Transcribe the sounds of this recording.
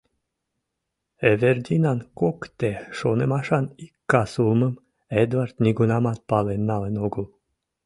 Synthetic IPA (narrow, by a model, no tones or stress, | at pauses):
everd̪ʲinɑnkokt̪eʃonemɑʃɑnikːɑsulməm | ed̪vɑrt̪nʲiɡunɑmɑt̪̚pɑlenːɑlenoɡul